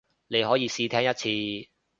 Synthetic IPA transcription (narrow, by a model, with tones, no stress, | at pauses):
ne˨˧jɦɔː˨˥jiː˧siː˧t̪ʰɛː˥ŋjɐ˥t̚t͡sʰiː˧